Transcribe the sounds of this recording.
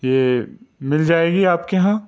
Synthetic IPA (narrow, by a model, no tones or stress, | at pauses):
jeːmɪld͡ʒaːeːɡiaːpkeɦãː